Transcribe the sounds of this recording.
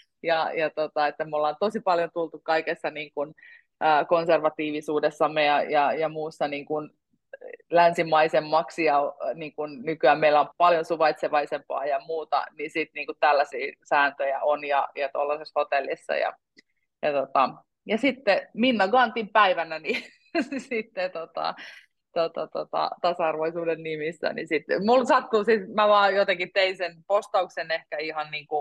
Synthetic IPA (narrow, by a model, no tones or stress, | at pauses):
jɑjɑt̪ot̪ɑet̪ːæmolːɑːnt̪osipɑljont̪ult̪ukkɑikesːɑniːŋkun | əːkonserʋɑt̪iːʋisuːdesːɑmːejɑjɑjɑmuːsːɑniːŋkun | lænsimɑisemːɑksijɑniːŋkunnykyæmmeilːˑæompɑljonsuʋɑit̪seʋɑisempɑ̰ːjɑmuːt̪ɑ̰nisit̪niːŋkut̪ælːæsiːsæːnt̪øjæʔonjɑjɑt̪olːɑseshot̪elːisːɑ̰jɑ̰ | jɑt̪ot̪ɑ | jɑsit̪ːeminːæɡɑnt̪impæiʋænæni | sit̪ːet̪ot̪ɑ̰ | t̪ot̪ot̪ot̪ɑ̰t̪ɑsɑɑrʋoisuːdennimisːæ̰nḭsit̪mulsɑt̪ːusit̪mæʋɑːjot̪ekit̪einsenpost̪ɑuksenehkæihɑnniːŋku